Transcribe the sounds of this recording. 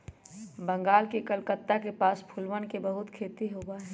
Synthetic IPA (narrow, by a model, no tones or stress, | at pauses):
bə̃ŋɡaːlkekəlkət̪ːakepaːspʰʊlʋənkebəɦʊt̪kʰeːt̪iɦoːɡaɦɛ